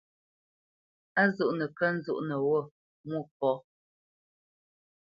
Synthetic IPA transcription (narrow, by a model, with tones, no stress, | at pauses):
a˦zu˦˨ʔnə˨kə˦n̩˦zṵ˦˨ʔnə˨wɔ˦˨ | mwu˦˨p̚ɔ˨˦